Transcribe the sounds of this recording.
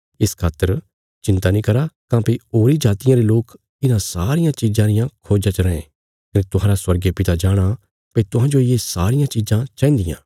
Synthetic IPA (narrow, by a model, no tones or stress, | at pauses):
ɪskʰaːt̪əɾ | t͡ʃɪ̃nt̪anĩːkɐɾakãːpioːɾid͡ʒaːt̪ɪjãɾeloːk | ɪnãsaːɾɪjãt͡ʃiːzãɾɪjãkʰoːd͡ʒãt͡ʃɾɐẽ | kɐnẽt̪ʊɦãːɾaswɐɾɡepɪt̪ad͡ʒaːɽ̃a | pet̪ʊɦãːd͡ʒoɪjesaːɾɪjãt͡ʃiːzãt͡ʃãːĩnd̪ɪjã̰ː